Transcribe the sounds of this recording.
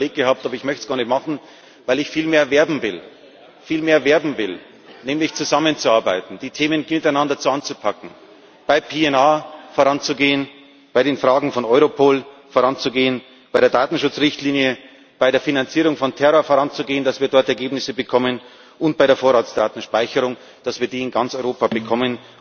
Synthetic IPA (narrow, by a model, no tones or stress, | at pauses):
bleːk̚ɡ̥əhaːp̚tʔaːbɐɪçmœçtsɡ̥aɐnəmɑχn̩ | vaɪlɪçfiːlmeːɐvɛɐbm̩vɪl | fiːlmeːɐvɛɐbm̩vɪl | nɛːmlɪçt͡suzamənt͡suaɐba̰ɪtn̩d̥iːtʰeːmənmɪtaɪnandɐt͡suant͡supʰakŋ̩ | b̥aɪpʰeːɛnaːfoːʁant͡suɡeːən | b̥aɪɾeːnfʁ̥aːɡŋ̩fɔnʔɔʏʁopʰoːlfoːʁant͡suɡeːən | b̥aɪɾeːɐdaːtn̩ʃʊt͡sʁɪçtliːnjə | b̥aɪɾeːɐfinant͡siːʁʊŋfɔntʰɛʁoːɐfoːʁant͡suɡeːəndasv̥iːɐdɔɐtɛɐɡeːbnɪsəbəkʰɔmən | ʊnt̚b̥aɪɾeːɐfoːɐʁaːtsd̥aːtn̩ʃpaɪçəʁʊŋ | d̥asv̥iːɐdiːɪnɡant͡sɔʏʁoːpabəkʰɔmən